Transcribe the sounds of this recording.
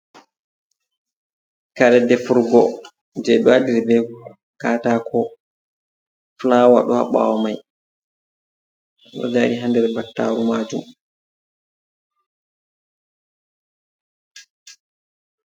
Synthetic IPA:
kaɾɛdɛfuɾɡɔ | d͡ʒɛɗɔaɗiɾbɛ | kaːtakʰɔ | flaːwa̰ɗɔha̰ɓa̰wɔmaj | ɗɔ̰d͡ʒaːɗiɦandɛɾbatːa̰ɾumaːd͡ʒum

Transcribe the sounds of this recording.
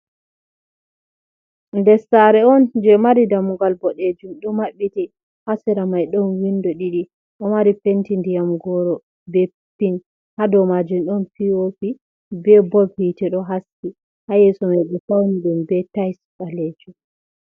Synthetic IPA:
ndɛsaɾɛɔnd͡ʒɛmaɾidamuɡalbɔɗed͡ʒumɗɔmaɓːiti | hasɛɾamajɗɔnwindɔɗiɗi | ɗɔmaɾipentindijamɡɔɾɔ | bɛ | pːin | hadɔmad͡ʒumɗɔnfiwofi | bɛbɔbitiɗɔɦasːi | hajɛsɔmajɗɛfawniɗumbɛtajskalɛd͡ʒu

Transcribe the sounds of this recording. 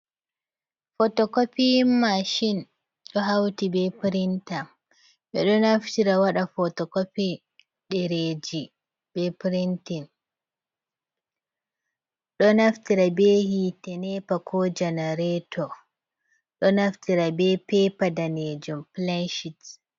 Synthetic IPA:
fɔtɔkopimaʃin | ɗɔɦawtibɛpɾintam | ɓɛ̰ɗɔnaftiɾawaɗafɔtɔkopi | ɗɛɾed͡ʒi | bɛpɾintin | ɗɔnaftiɾabeːhitɛnɛpakʰɔd͡ʒɛneɾɛtʰɔ | ɗɔnaftiɾabɛpɛpadaned͡ʒumplanʃit

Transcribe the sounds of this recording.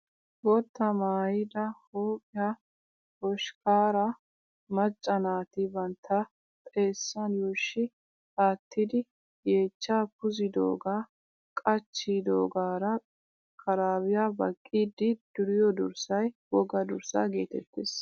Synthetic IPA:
bɔt̪ːɐmaːjɪd̪ɐhoːpʼɪja | hɔʃkaːɾɐ | mɐt͡ʃʼːɐnaːt̪ɪbɐnt̪ʰːɐ | t̪ʼe̞ːsːɐnjuːʃːɪ | haːt̪ʰːɪd̪ɪ | je̞ːt͡ʃːaːpʊzɪd̪oːɡaː | kʼɐt͡ʃːid̪oːɡaːɾɐ | kʰɐɾaːbɪjabɐkʼːiːd̪ɪd̪̥ʊɾɪjɔd̪ʊ̰ɾsɐjwɔɡɐd̪ʊɾsa̰ːɡe̞ːt̪ɛ̰t̪ːes

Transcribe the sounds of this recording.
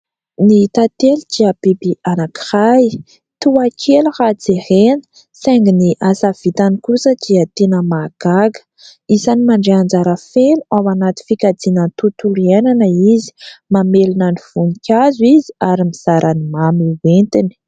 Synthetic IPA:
nit̪at̪eldiabibiʔanaki̥raj | t̪uakʰeluhad͡zerenə̥ | seŋɡiniʔasav̥it̪anikusəd̪iat̪enəmaɡ̥aɡə̥ | izanimaɳɖ͡ʐeand͡zaɾəfenuawanat̪i̥fikad͡zinənt̪ut̪uluenanəizi̥mamelinaniv̥unikʲazuiziaɾimiz̥aɾʔanimamiwent̪ini̥

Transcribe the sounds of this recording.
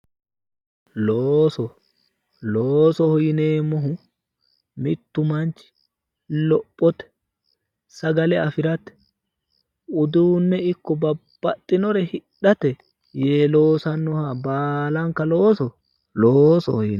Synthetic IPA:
loːsɔ | loːsɔhɔjɪneːmɔɦʊ | mɪt̪ːʊmɐnt͡ʃɪ̥ | lɔpʼːɔt̪ɛ̥ | sɐɡɐlɛɐfɪɾɐt̪ɛ̥ | ʊd̪uːnːɛɪkːɔbɐb̥ːɐt̪ʼːɪnɔɾɛhɪᶑɐt̪ɛ | jeːlo̞ːsɐnːɔhabaːlɐŋkɐloːsɔ | loːsɔ̰hɔjɪn

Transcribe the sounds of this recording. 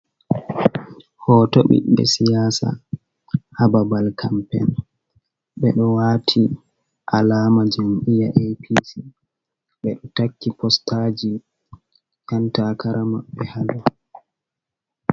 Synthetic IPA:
hɔːtoɓḭɓɛ̰sijaːsa̰ | hababalkʰampɛ̰n | ɓɛɗɔwaːtʰi | ʔalaːmad͡ʒomʔijaʔejpʰisi | ɓɛɗɔtakːipɔstaːd͡ʒi | jantakaɾamaɓːɛhala

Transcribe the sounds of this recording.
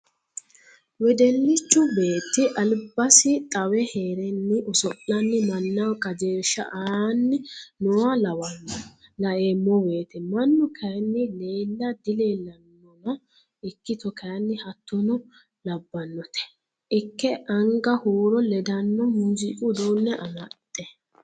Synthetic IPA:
wɛd̪ɛlːɪt͡ʃːʊbe̞ːt̪ːɪʔɐlbɐsɪt̪ʼɐwɛheːɾɛnːɪʔʊsɔʔːɐnːɪmɐnːɐwkʼɐd͡ʒeːʃːɐ̰ʔanːɪnɔwɐlɐwɐmːlɐʔemːɔbe̞ːt̪ɛmɐnːʊkʰɐjnːɪleːlːɐd̪ɪleːlɐnːɔnɐ | ɪkːɪt̪ɔkʰɐjɐnːɪhɐt̪ːɔnɔ | lɐbːɐnːɔt̪ɛ̥ | ʔɪkːɛʔɐŋɡɐhuːɾɔlɛd̪ɐnːɔmʊzɪkʼʊd̪oːnːɛʔɐmɐt̪ʼːɛ

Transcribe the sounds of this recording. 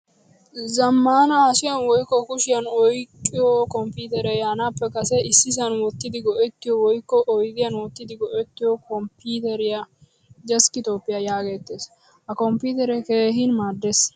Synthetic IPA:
zɐmːaːnɐhɐsɪjɐnwɔjkːɔkʊʃɪjɐnɔjkʼːɪjɔkɔmpiːt̪ɛɾɛjaːnaːpːɛkɐsɛɪsːɪs̬ɐnwɔt̪ːɪd̪ɪɡɔʔɛt̪ːɪjɔwɔjkːɔʔɔjɡ̪ɪjɐnwɔt̪ːɪd̪ɪɡɔʔɛt̪ːɪjɔkɔmpiːt̪ɛɾɪjɐ | d͡ʒɛskɪt̪oːpːɪjɐjaːɡeːt̪ːeːs | hɐkɔmpiːt̪ɛɾɛke̞ːɦɪnmaːd̪ːes

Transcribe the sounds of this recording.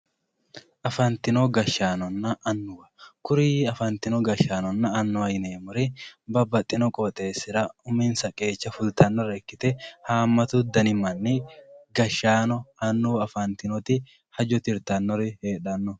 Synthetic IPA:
ʔɐfɐnt̪ɪnɔɡɐʃːaːnɔnːɐʔːnːʊwɐkʊɾiːɐfɐnt̪ɪnɔɡɐʃaːnɔnːɐːnːʊɐjneːmʊɾɪbɐbːɐt̪ʼːɪnɔkʼɔt̪ʼe̞ːsɪɾɐʊmiːnsɐkʼe̞ːt͡ʃːɐfʊlt̪ɐnːɔɾɛkːɪt̪ɛhaːmːɐt̪ʊd̪ɐnɪmɐnːɪɡɐʃːaːnɔɐnːuːɐfɐnt̪ɪnɔt̪ɪ | hɐd͡ʒɔt̪ɪɾt̪ɐnːɔɾɪheːᶑɐnːɔ

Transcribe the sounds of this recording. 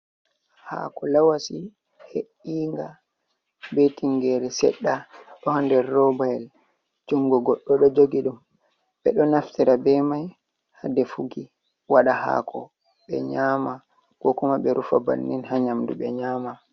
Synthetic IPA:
ha̰ːkɔlawasi | heʔiːŋɡa | betiŋɡɛɾɛsɛ̰ɗːaɗɔhɔndɛɾːɔbajɛl | d͡ʒuŋɡɔɡɔɗːɔɗɔd͡ʒoɡiɗum | ɓɛɗɔnaftiɾabɛmaj | hadɛfuɡi | waɗaha̰kʰɔ̰ | ɓɛ̰ɲaːma | kɔkumaɓɛɾufaba̰nːinhaɲamduɓɛɲaːma

